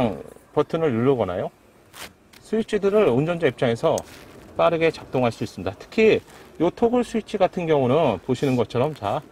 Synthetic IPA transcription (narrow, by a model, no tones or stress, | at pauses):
ŋpʌtʰɯnɯɭuɭːʌɡʌna̰jo | sʰuit͡ɕʰidɯɾɯɭond͡ʑʌnd͡ʑaip̚t͡ɕ͈aŋe̞sʰʌp͈aɾɯɡet͡ɕak̚t͈oŋɦaɭs͈uis͈ɯmɲidatʰɯ̥kʰijotʰoɡɯɭsʰuit͡ɕʰiɡatʰɯnɡjʌŋunɯnpoɕʰinɯnɡʌt͡ɕʰʌɾʌmt͡ɕa